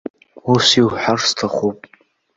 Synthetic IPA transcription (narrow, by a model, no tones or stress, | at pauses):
usiwħarstʰaχupʼ